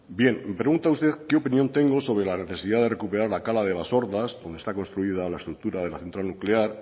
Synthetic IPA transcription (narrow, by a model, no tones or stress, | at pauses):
bje̞mpɾe̞ɣunt̪aust̪eðkeopinjont̪e̞ŋɡoso̞β̞ɾelane̞θe̞siðaðe̞re̞kupeɾaɾlakalaðeβaso̞ɾðazd̪ond̪est̪ako̞nst̪ɾuið̞alae̞st̪ɾuk̚t̪uɾað̞e̞laθe̞nt̪ɾalnukleaɾ